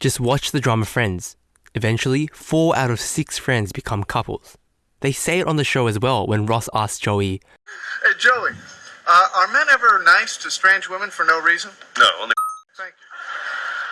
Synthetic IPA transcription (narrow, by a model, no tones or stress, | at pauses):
d̥ʒ̥ʌst̚wɑt͡ʃðɨdɹɑməfɹɛ̃ndz̥ | ɨvɛ̃nt͡ʃl̩ˠifɔɹʔa̰ʊɾʌv̥sɪksfɹɛ̃ndzbɨkʰʌ̃mkʰʌpl̩ˠz̥ | ðeɪseɪɨɾn̩ðɨʃoʊɨzwɛlˠwə̰̃nɹɑsæ̰s̚d̥ʒ̥oʊi̥ | d͡ʒoʊiʌʔə˞mɛ̃nɛvə˞naɪstʰɨstɹ̥ẽɪ̃nd͡ʒwɪ̃mɨ̃nfə˞noʊɹizə̃nnoʊõ̰ʊ̃nθæ̃ŋkjʉ